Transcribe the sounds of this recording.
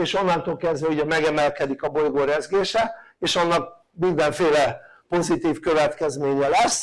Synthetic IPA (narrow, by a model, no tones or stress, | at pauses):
eːʃo̞nːɒnt̪oːlkɛzvɛuɟɛmɛɡɛmɛlkɛd̪ikɒbojɡoːɾɛzɡeːʃɛeːʃɒnːɒk̚ | mind̪ɛɱfeːlɛ | po̞zit̪iːfkø̞vɛt̪kɛzmeːɲɛlɛsː